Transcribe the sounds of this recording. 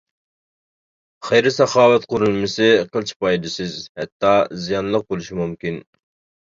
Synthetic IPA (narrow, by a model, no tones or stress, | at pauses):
χɛjɾɪsɑχɑːwɛt̪qʰoɾulˠmɨsɨqʰəlˠt͡ʃʰi̥pɑjd̪ɨsɪzhɛt̪ːɑzijɑnlˠəq̚bolˠuʃimumkʲin